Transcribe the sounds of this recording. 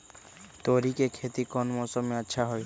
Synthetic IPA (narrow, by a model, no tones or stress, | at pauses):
t̪oɾikekʰeːt̪ikɔnmɔsɔmːẽətːʃʰaɦoj